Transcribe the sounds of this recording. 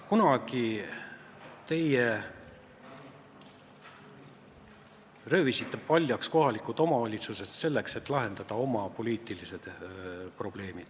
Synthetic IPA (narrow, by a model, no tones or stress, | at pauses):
kunɑɡ̥i | t̪e̞je | rø̞ːvisit̪ːe̞pɑlʲjɑksko̞ɦɑlikˑut̪o̞mɑvɑlʲit̪suse̞sse̞lːe̞kse̞t̪ːˑlɑɦe̞nd̪̥ɑd̪̥ɑo̞mɑpo̞liːt̪ˑilise̞d̪̥pro̞b̥le̞ːmid̪̥